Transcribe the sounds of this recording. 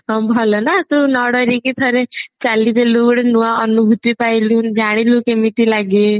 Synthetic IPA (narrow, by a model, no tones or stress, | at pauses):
ɦbʱɔlɔnat̪unɔɽɔɾikit̪ʰəɾet͡ʃalid̪ʱelukɽenuʋaənubʱut̪ipailũːd͡ʒaɽ̃ilũkemiʈilaɡe